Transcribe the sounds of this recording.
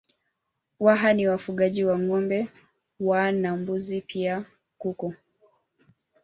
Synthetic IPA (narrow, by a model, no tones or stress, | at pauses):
waɦaniwafuɠaʄiwaŋɔmbɛ | wanambuzipʰia | kukɔ